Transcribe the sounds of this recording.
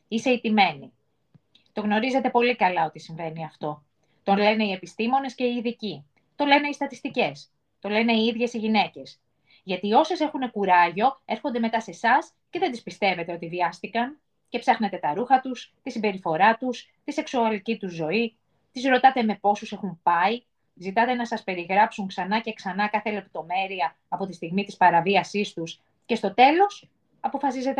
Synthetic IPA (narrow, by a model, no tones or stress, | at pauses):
ise̞it̪ime̞ni | t̪o̞ɣno̞ɾize̞t̪e̞po̞likɐlɐo̞t̪isiɱve̞niɐft̪o̞ | t̪o̞nle̞neie̞pist̪imo̞ne̞sce̞iːðici | t̪o̞le̞ne̞ist̪ɐt̪ist̪ice̞s | t̪o̞le̞ne̞iiðʝe̞siʝine̞ce̞s | ʝɐt̪io̞se̞se̞xune̞kuɾɐʝo̞e̞ɾxo̞nd̪e̞met̪ɐse̞sɐs | ce̞ðed̪ispist̪e̞ve̞t̪e̞o̞t̪ivʝɐst̪ikɐn | ce̞psɐxne̞t̪e̞t̪ɐɾuxɐt̪ust̪isimbe̞ɾifo̞ɾɐt̪us | t̪ise̞ksuɐlicit̪uzːo̞i | t̪izɾo̞t̪ɐt̪e̞me̞po̞suse̞xumpɐi | zit̪ɐt̪e̞nɐsɐspe̞ɾiɣɾɐpsuŋksɐnɐce̞ksɐnɐkɐθe̞le̞p̚t̪o̞me̞ɾiɐːpo̞t̪ist̪iɣmit̪ispɐɾɐviɐsist̪us | ce̞st̪o̞t̪e̞lo̞s | ɐpo̞fɐsize̞t̪e